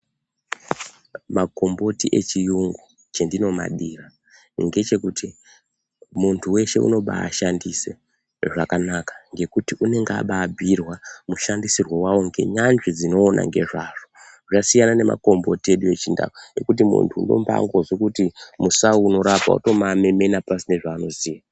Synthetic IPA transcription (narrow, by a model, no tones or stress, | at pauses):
mako̞mbo̞tiʔe̞t͡ʃijuŋɡu | t͡ʃe̞ndino̞ma̰ɗira | ŋɡe̞t͡ʃe̞kutʰi | muntʰuwe̞ʃe̞ṵno̞ɓa̰ːʃandise̞ | ʐakanakḁŋɡe̞kutiʔune̞ŋɡa̰ɓaːbʱirwamuʃandisirwowawo̞ŋɡe̞̰ɲanʐid͡zino̞ːnʔa̰ŋɡe̞̰ʐaʐo | ʐasijanane̞ma̰ko̞mbo̞tie̞ɗuje̞t͡ʃinda̰kue̞kut̬imṵntʰuundo̞̰mba̰ŋɡo̞zwikutimusaːno̞ɾapa̰ṵto̞mame̞me̞napasine̞ʐaːno̞zija